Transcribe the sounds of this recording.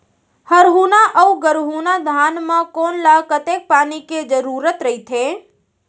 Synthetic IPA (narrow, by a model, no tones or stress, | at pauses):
həɾɦuːnaʔəuɡəɾɦuːnad̪ʱaːnmãkoːnlakət̪ek̚paːniked͡ʒəɾuːɾət̪ɾəɦit̪ʰe